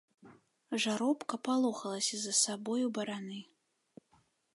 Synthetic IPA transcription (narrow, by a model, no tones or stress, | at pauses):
ʐaɾɔpkɐpalˠɔxɐlˠɐsʲɐzɐsabɔjubɐɾanɨ